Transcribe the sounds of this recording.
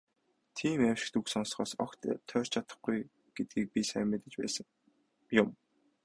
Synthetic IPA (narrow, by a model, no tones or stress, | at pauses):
t̪ʰiːmæwʲʃɪ̥̆k̚t̪uksɔnsχɔːsɔ̰kt̪t̪ʰœːr̥t͡ɕʰat̪ə̥̆χɡuj | ɡ̥et̪̚ɡiːk̚pʲisæ̰ːmʲɪːt̪ə̆t͡ɕpæ̰ːsə̆ŋ | jʊm